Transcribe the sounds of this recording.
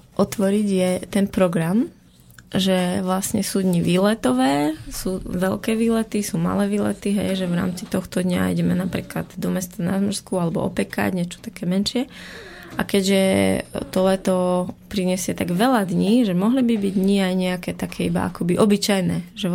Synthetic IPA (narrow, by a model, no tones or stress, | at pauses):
ʔɔt̪ʋɔɾiɟjɛt̪ɛnpɾɔɡɾam | ʒɛʋlasɲɛsuːd̪ɲiʋiːlɛt̪ɔʋɛːsuːʋɛlkɛːʋiːlɛt̪isuːma̰lɛːʋiːlɛ̰t̪iɦɛjʒɛʋɾa̰ːmt͡sit̪ɔxt̪ɔd̪ɲa̰ḭɟɛmɛnapɾḭːkla̰d̪d̪ɔmɛst̪anazmr̩skualɛbɔ̰ʔɔ̰pɛka̰ɟɲɛt͡ʃɔ̥t̪akɛːmɛnʃɪɛ | ʔa̰kɛɟʒɛt̪ɔlɛt̪ɔpɾiɲɛsɪɛt̪aɡʋɛlad̪ɲiːʒɛmɔɦlibibiɟd̪ɲiajɲɛakɛːt̪akʰɛːiba̰a̰kɔbiʔɔbit͡ʃajnɛːʒɛ